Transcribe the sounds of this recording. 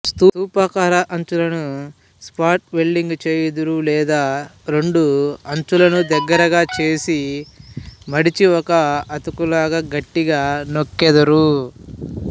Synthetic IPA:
st̪uːuːpaːkaːɾɐʔɐɲt͡ʃulɐnu | spaːɾʈ̚be̞ɭːiŋɡt͡ʃeːjed̪ɐɾulɛːd̪aːɾe̞ɳɖuɐɲt͡ʃulɐnud̪ɛɡːɐɾɐɡaːt͡ʃe̞ːsi | mɐɽit͡ʃiɔkɐɐt̪ukulaːɡaːɡɐʈːiɡaːnokːɛd̪ɐɾu

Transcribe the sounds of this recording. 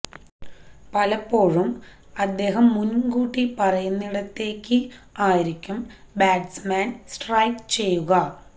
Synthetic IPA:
pɐlɐpːo̞ːɻum | ɐd̪ːe̞ːɦɐmːunkuːʈːipɐrɐjunːiɽɐt̪ːe̞ːkʲːɨaːjiɾikʲːum | baːɖsmaːnsʈrɐjkt͡ɕe̞jːuɣɐ

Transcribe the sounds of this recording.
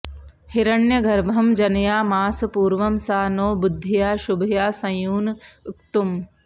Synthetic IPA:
hiɾɐɳjɐɡʱɐɾbʱɐmd͡ʒɐnjaːmaːsɐpuːɾʋɐmsaːnoːbʊd̪ʱːijaːʃubʱɐjaːsɐ̃juːnʊkt̪um

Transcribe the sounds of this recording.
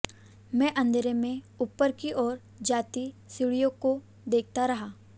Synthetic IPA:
mɛ̃ːʔɐ̃nd̪ɾemẽ | upːəɾkiʔɔːɾ | d͡ʒaːt̪isɪɽijõko | d̪eːk̚ʰt̪aɾɐɦaː

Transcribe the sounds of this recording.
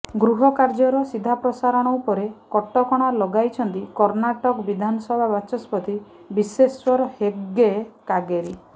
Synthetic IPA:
ɡɾuɦɔkaɾd͡ʒɔɾɔsid̪ʱapɾɔsaɾɔɽ̃ɔupɔɾekɔʈɔkɔɽ̃alɔɡajt͡ʃʰɔnt̪ikɔɾnaʈɔkbid̪ʱanɔsɔbʱabat͡ʃɔspɔt̪ʰi | biseswɔɾɔheɡekaɡeɾi

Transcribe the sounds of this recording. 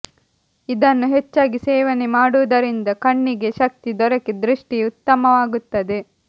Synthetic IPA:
id̪ɐnːuɦet͡ʃːaːɡisɛːʋɐnemaːɽuʋɐd̪ɐɾind̪ɐkɐɳːiɡe̞ʃɐk̚t̪id̪ɔɾɐkid̪ɾiʂʈiut̪ːɐmɐʋaːɡut̪ːɐd̪e̞

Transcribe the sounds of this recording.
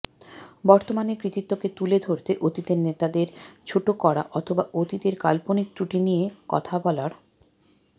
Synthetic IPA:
bɔɾt̪omanekɾit̪it̪ːoket̪uled̪ʱoɾt̪eʔot̪it̪eɾnet̪ad̪eɾt͡ɕʰoʈokɔɽa̰ʔɔt̪ʰobaʔot̪it̪eɾkalponik̚t̪uʈinijekɔ̰t̪ʰabɔlaɾ

